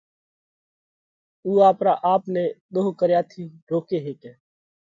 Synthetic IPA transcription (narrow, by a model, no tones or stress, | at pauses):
uːaːpɾaːʔaːpnẽːɗ̪oːɦkəɾjaːt̪ʰiːɾoːkeːɦeːkɛ̃ː